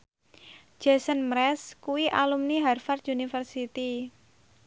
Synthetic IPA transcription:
d͡ʒ̥ɛsənmɾɛskuwiʔalumniɦarfart̪unifərsit̪i

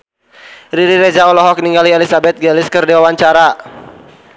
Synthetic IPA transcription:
ɾiɾiɾed͡ʒaɔlɔɦɔk̚niŋɡalielisabɛt̪̚ɡɛlɪskərdiwawaɲt͡ʃaɾa

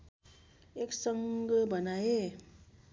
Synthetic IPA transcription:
eksʌŋɡbənaje

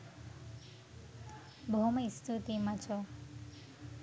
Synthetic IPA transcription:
bʱoməist̪ʰut̪imãt͡ʃʰo

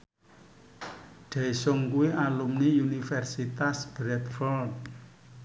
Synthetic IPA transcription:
ɖ̥aisʊŋkuiʔalumniunifɛrsit̪asb̥ɾɛt̪fɔld̚

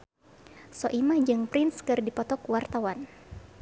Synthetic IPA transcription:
sɔʔimad͡ʒɨŋpɾɪnskɨrdipɔt̪ɔkwart̪awan

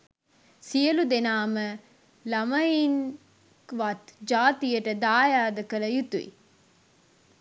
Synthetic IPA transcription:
sijəlud̪enaːmə | lɐmɐjiŋ | kʋat̪d͡ʒaːt̪ijəʈəd̪aːjaːd̪əkələjut̪uḭ

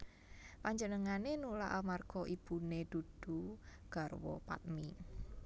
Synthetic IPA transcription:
paɲd͡ʒənəŋanenulaʔalmarɡ̥ɔʔib̥uned̪̥ṳd̥ṳɡ̥a̤rwɔ̰pa̰t̪̚mi

